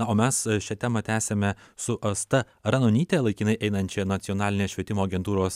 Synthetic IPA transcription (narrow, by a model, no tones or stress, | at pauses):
nɐoːmʲɛsʃʲɛt̪ʲæmɐt̪ʲæːsʲemʲɛ | sʊʔɐst̪ɐ | ɾɐnoːnʲiːt̪ʲelˠɐɪkʲinɐɪʔɛɪnɐnʲt͡ʃʲɛnɐt̪sʲɪɔnɑːlʲɪnʲeːsʃʲʋʲiɛt̪ʲɪmoːɐɡʲɛnt̪uːɾoːs